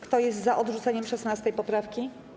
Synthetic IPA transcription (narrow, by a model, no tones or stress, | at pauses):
kt̪ɔjɛst̪zaʔɔd̪ʐut̪sɛɲɛmʂɛsnast̪ɛjpɔpɾafkʲi